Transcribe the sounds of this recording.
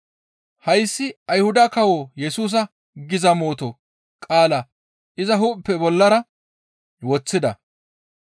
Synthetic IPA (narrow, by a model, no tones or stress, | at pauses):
hɐjsːɪɐjhʊd̪ɐkɐwoːjɛsuːs̬ɐ | ɡɪzɐmo̞ːt̪o | kʼaːlɐ | ʔɪzɐɦupːɛbɔlːɐɾɐ | wɔt͡sːɪd̪ɐ̰